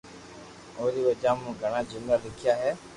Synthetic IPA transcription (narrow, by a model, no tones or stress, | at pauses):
oːɦɾiːʋəd͡ʒãːmũːɡʱəɽ̃ãːd͡ʒʊŋɡaːlɪkʰɪjaːɦɛː